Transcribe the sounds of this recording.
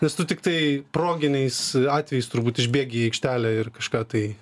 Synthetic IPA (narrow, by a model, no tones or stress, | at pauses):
nʲɛst̪ʊt̪ʲɪk̚t̪ɐɪpɾoːɡʲɪnʲɛɪsɑːt̪ʲʋʲɛjɪst̪ʊrbuːt̪ɪʒʲbʲeːɡʲiːɛɪkʃʲt̪ʲæːlʲæːɪrkɐʃkɑːt̪ɐɪ